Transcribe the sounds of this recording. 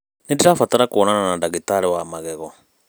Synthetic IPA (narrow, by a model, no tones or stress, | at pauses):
nidiɾafataɾakuɔnananandaɣitaɾewamaɣɛɣɔ